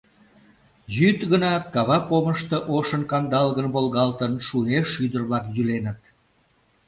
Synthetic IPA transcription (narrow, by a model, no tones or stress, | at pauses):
jyt̪ɣənɑt̪̚kɑβɑpoməʃt̪ɤʔoʃənkɑnd̪ɑlɣənβolɣɑlt̪ənʃueʃyd̪ərβlɑkjylenət̪̚